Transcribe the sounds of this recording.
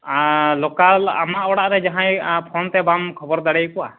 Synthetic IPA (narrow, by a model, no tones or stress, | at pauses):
alɔkaa̰maʔɔɽaʔɾɛd͡ʒaɦãjpʰɔnt̪ɛbamkʰɔbɔɾd̪aɽɛjkɔwa̰